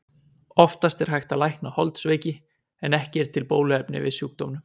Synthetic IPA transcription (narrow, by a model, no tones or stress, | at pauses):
ɔft̪ast̪ɛɾ̥ɦajxt̪alajhknahɔ̰lt̪sveːjcɪ | ɛnɛhcɪɛɾ̥t̪ʰɪlpoːwlʏɛpnɪ̰vɪ̰sjuːk̚t̪omnʏm